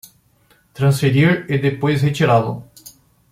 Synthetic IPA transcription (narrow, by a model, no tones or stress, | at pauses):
t̪ɾɐ̃nsfeɾiɾed̪epojzhet͡ʃiɾaðʊ̰